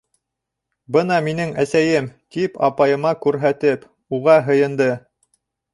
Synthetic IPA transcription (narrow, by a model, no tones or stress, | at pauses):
bɤnɑminɘŋæsæjɘmk̪ipɑ̰pɑjɤ̆mɑkʉɾɦæt̪ɘp | uʁɑɦɤ̆jɤ̆nd̪ɤ